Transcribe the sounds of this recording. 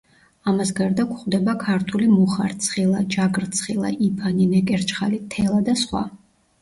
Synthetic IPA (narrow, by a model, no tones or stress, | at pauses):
amasɡaɾd̪akʰχwd̪ɛbakʰaɾt̪ʰulimuχa̰ɾt̪sʰχilˠad͡ʒaɡɾt̪sʰχilˠa̰ʔipʰaninɛkʼɛɾt͡ʃʰʼχa̰lit̪ʰɛlˠad̪asχwa̰